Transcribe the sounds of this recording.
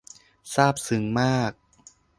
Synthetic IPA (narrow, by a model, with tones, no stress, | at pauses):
saː˥˩p̚sɯ˩˦ŋmaː˥˩k̚